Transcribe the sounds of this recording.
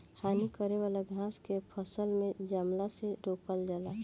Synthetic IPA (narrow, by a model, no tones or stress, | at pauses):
haːnikəɾeʋaːlaɡʱãːskepʰəsəlmẽd͡ʒaːmlaseɾoːkəld͡ʒaːlaː